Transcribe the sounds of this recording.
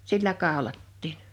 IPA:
silːæ kɑˑolɑtːiːn

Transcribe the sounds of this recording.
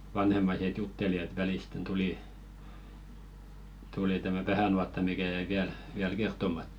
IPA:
ʋɑnhemːɑiset jutːeli et ʋæliˑsten tuliˑ tuli tæmæ ʋæhæˑnuɑtːɑ mikæ jæi ʋiæl ʋiæl kertˑomɑt

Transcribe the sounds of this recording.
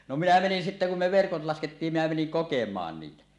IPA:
no minæ menin sitːæ kum me ʋerkot lɑsketːiːm minæ meniŋ kokemˑɑːn niːtæ

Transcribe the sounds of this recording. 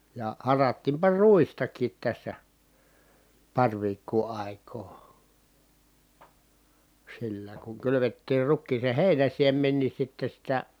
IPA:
jɑ hɑrɑtːiːmpɑ ruistɑkˑiːt tæsːæ pɑrʲ ʋiːkːuː ɑˑi̯koː silːæ kuŋ kylyʋetːiːr rukːiːsen̞ heˑinæn̞siemˑen ni sitːe sitæ

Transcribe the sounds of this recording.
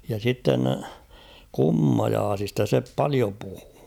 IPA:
jɑ sitːen kumːɑjɑːsistɑ se pɑlio puhu̥ː

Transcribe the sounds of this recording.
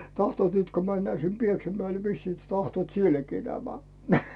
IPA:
tɑhtŭoˑt nyt ko mænːæː sim pieksæmæel ʋisːiː tɑhtŭoˑt sielːækiː næmæ

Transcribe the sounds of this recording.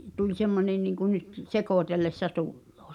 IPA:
tulʲ semːonen niˑŋku nyt sekoˑtelːesːɑ tulːoː

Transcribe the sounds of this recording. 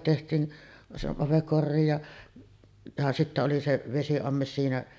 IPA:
tehtˑiːn se ɑpek korːiːj jɑ jɑ sitːæ oli se ʋesiɑmːes siːnæ

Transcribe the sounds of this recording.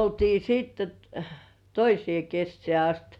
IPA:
oltiː siːtːe t toisĭeˑ kesːĕæˑ ɑst

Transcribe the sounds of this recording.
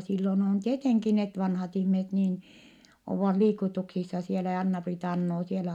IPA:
silːon on tieteŋki net ʋɑnhɑt ihmiset niːn oʋːɑt liːkutuksisːɑ sielæ jɑ ɑnːɑpriːtɑ ɑnːoː sielæ

